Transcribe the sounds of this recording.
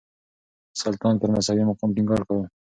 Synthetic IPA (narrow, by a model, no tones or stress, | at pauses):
sɑlt̪ɑnt̪əɾmasɑwimʊqɑmt̪ɪŋɡɑɾkawu